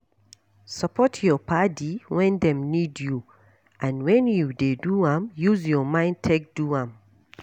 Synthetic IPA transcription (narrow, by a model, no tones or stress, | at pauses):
səpʰɔtʰjɔpʰadiwɛ̃ndɛ̃mnidju | ʔãnwɛ̃njudeduãmjuzjɔmãɪ̃ntʰek̚d̥uãm